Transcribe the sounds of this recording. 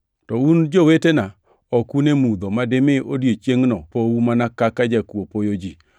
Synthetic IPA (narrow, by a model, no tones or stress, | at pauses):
tɔund͡ʒowetena | ɔkunemud̪omademeʔodjet͡ʃjeŋnɔpowumanakakad͡ʒakwopojod͡ʒi